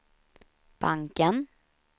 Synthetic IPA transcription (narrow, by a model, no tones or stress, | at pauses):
b̥aŋkən